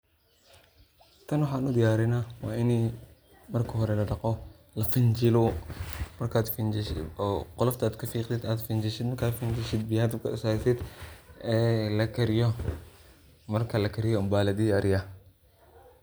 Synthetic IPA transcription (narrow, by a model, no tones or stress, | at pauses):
t̪ʰɐnwɑħɑːnʊd̪ɪjaːɾɛnaːwɑːɪnɛ | mɐrkʰɐɦɔɾɛlɐɖɑqɔ | lɐfɪnt͡ʃɪlɔ | mɐrkʰaːd̪f | qʊlɐft̪ʰaːd̪kʰɐfiːqd̪ɪd̪aːd̪fɪnt͡ʃɪʃɪd̪mɐrkʰaːd̪fɪnt͡ʃɪʃɪd̪̚bɪjaːd̪ɪkʰɐɪsaːsɪd̪ɛːlɐkʰɐɾɪjɔ | mɐrkʰɐlɐkʰɐɾɪjɔɐmbaːlɐd̪ɪjaːɾɪjɐ